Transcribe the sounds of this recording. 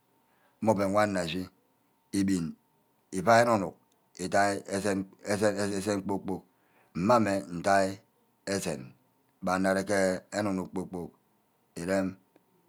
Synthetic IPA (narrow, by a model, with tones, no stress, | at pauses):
m̩˦mo˦pe˨wʷa˦nː˦a˨zi˦ | i˦bi˨n | i˨pa˦e˦nu˨nu˨k̚ | e˨ta˦ | e˦se˦k͡po˦k͡po˦k̚ | m̩˨ma˦me˨n̩˨ta˦i˦ | e˦sḛ˨n˨ | ba˨n̩ː˦a˨ɾe˦ke˦e˦nu˨nu˨k̚k͡po˦k͡po˦k̚ | e˨ɾe˦m